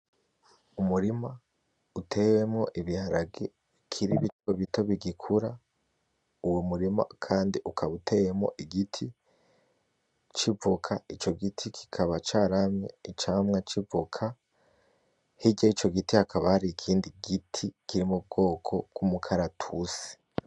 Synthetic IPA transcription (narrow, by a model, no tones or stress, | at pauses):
umuɾima | utʰe̞we̞mŋo̞ʔiβihaɾaɡi | kʰiɾiβitoβito̞βiɡikʰuɾa | uwomuɾima̰kʰaːndiʔukʰaβutʰe̞jemŋo̞̰ʔiɡitʰi | t͡ʃivokʰait͡ʃo̞ɡitʰikʰi̥kʰaβat͡ʃaːɾamɲḛit͡ʃaːmŋat͡ʃivokʰa | hiɟait͡ʃo̞ɡitihakʰaβahaɾikʰiːndiɡitʰikiɾimub̚ɡo̞ːkʰo̞ɡ̥umukʰaɾatʰusi̥